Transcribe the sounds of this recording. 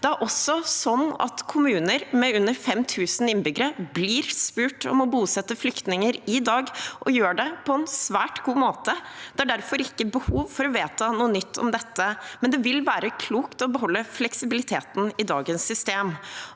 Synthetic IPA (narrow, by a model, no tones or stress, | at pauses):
d̪ɛæɾʔɔsːɔsɔnːɑ̰t̪kʰʊmʉːnəɾmɛʉnːəɾfɛmt̪ʰʉːsn̩ɪnbʏɡəɾəblɪːɾspʉːʈɔ̰mɔbuːsɛt̪ːəflʏkt̪nɪŋəɾɪd̪ɑːɡʔɔjøːɖɛpʰɔɛnsʋæːʈɡ̥uːmoːt̪əd̪̥ɛæɖæɾfɔɾɪkːəbəhuːʋfɔɾɔʋeːt̪ənuːənʏt̪ʰːɔ̰md̪ɛt̪ːəmɛnd̪ɛʋɪlʋæːɾəkʰluːkt̪ɔbəɦɔlːəflɛksɪbɪlɪt̪ʰeːt̪n̩ɪd̪ɑːɡənsːʏst̪eːm